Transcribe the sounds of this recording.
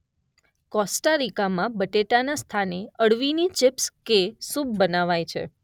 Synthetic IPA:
kɔsʈaɾikamãbəʈeʈanast̪ʰaneəɽʋinit͡ʃɪpskesubbənaʋajt͡ʃʰḛ

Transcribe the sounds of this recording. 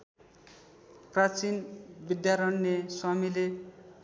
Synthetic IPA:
prat͡sinbid̪jaɾʌnːeswamile

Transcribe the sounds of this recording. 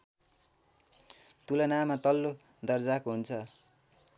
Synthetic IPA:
t̪ulʌnamat̪ʌlːo | d̪ʌrd͡zakoɦunt͡sʰʌ

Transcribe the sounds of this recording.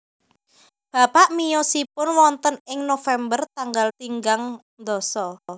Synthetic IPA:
b̥a̤paʔmijɔsipʊnwɔnt̪ənɪŋnofɛmbərt̪aŋɡalt̪iŋɡaŋ | nd̪ɔsɔ

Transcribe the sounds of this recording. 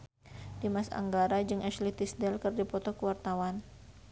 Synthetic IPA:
dimasa̰ŋɡaɾad͡ʒɨŋaʃlit̪isdɛlkɨrdipɔt̪ɔkəwart̪awan

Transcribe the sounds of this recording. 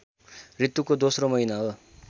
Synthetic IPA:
rit̪jukod̪osromʌɦinaɦo

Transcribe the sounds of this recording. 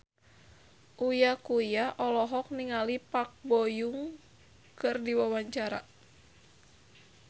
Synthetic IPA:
ʔujakujaʔɔlɔɦɔk̚niŋalipak̚bɔjuŋ | kɨrdiwawaɲt͡ʃaɾa̰

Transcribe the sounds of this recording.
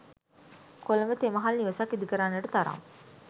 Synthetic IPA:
kolɐmət̪emɐɦalniʋəsɐkːid̪ukəɾaːnʋəʈət̪aɾa̰ːm

